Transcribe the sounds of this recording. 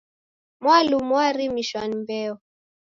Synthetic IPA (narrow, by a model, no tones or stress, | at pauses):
mwalumwaɾimiʃwanimbɛɔ